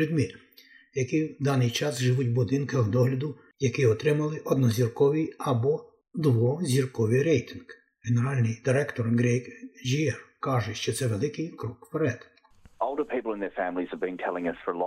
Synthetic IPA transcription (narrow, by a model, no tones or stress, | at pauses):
ɾʲid̪mʲir | jɐkid̪ɑnɪjt͡ʃɑsʒɪʋutʲbʊd̪ɪnkɐɣd̪ɔɦlʲɐd̪ʊ | jɐkɪɔt̪ɾɪmɐlˠɪʔɔd̪nɔzʲirkɔʋijɐbɔ | d̪ʋɔzʲirkɔʋɪɾɛjt̪ɪnɡ̥ | ɦeneɾɑlʲnɪjd̪ɪɾɛkt̪ɔrɡɾɛjkʒiɛrkɑʒɛʃt͡ʃɔt̪sɛʋelˠɪkɪjkɾɔkfɛɾɛd̪̥ | ɔlˠdəpʰipl̩ˠə̃nðə˞fæ̃mlˠiz̥əvbɨ̃nkʰɛlˠɪ̃ŋʌsfə˞l